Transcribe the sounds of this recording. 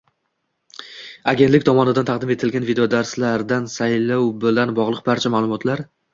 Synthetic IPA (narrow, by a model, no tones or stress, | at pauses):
aɡʲe̞nt̪lɪkʲt̪ʰɒmɒnɪd̪ant̪ʰaqd̪ɪme̞t̪ʰɪlɡʲanvid̪ejod̪aɾslaɾd̪ansajlɒwbɪlanbɒʁlˠɨq̚baɾt͡ʃʰamaːlˠʊmɒt̪ʰlaɾ